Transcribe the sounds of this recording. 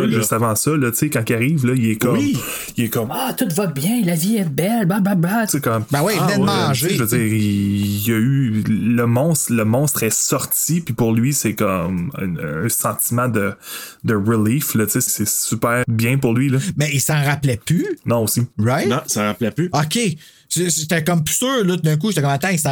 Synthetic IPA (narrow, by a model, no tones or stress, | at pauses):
ʒɨst̪avɑ̃sʌlʌtt͡sekɑ̃kiaʁiːvlʌilɛkɔwmi | ilɛkɔmat̪ʊt̪vʌbjɛ̃laviɛbɛlbababasekɔmbɛwiɛɑ̃ʒʒvəziːʁijɐyləmɔ̃st̪ləmɔ̃st̪χɛsɔʁt̪ipipʊʁlɥisɛkɔm̰ñːsɑ̃t̪imɑ̃d̪əd̪əʁiliflʌt͡sessɛsypæːʁbjɛ̃pʊʁlɥilʌmɛisɑ̃ʁaplɛpynɔ̃osiʁaɪ̃sɑ̃ʁaplɛpyɔkʲe | sese̥t̪ɛkɔmpy̥søːʁlʌt̪̬ud̪œ̃k̬uʒet̪ɛkɔmat̪ãisɑ̃